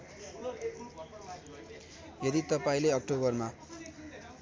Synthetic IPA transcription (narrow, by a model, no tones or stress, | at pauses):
jʌd̪it̪ʌpaĩleʌk̚ʈobʌrma